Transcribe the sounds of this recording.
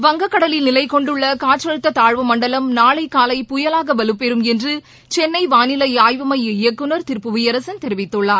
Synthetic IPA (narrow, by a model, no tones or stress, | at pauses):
ʋɐŋɡɐkːɐɽɐlɪlnɪlɐɪkɔɳɖɯɭːɐkaːʈrɐɻɯt̪ːɐt̪aːɻʋɐmɐɳɖɐlɐmnaːɭɐɪkaːlɐɪpʊjɐlaːɣɐʋɐlɯpːɛɾɯmɛndrɯ | t͡ʃɛnːɐɪʋaːnɪlɐɪaːjʋɐmɐjɪjɐkːɯnɐɾt̪ɪɾpːɯʋijɐɾɐsɐnt̪ɛɾɪʋɪt̪ːɯɭːaːɾ